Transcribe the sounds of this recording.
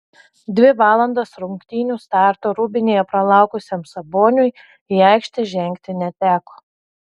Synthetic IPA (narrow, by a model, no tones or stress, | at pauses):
d̪ʲʋʲɪʋɑːlˠɐnd̪osɾʊŋkt̪ʲiːnʲuːst̪ɑːˑɾt̪oːɾʊbʲɪnʲeːjɛpɾɐlˠɑˑʊkʊsʲeːmsɐboːnʲʊj | iɑˑɪkʃʲt̪ʲɛʒʲɛŋʲkt̪ʲɪnʲɛt̪ʲæːkoː